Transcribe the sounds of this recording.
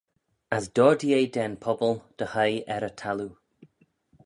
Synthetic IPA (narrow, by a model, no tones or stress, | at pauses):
əsd̥ɔːdiejdɛnpʰɔbəlˠd̪̥əhəjɛɾətʰalu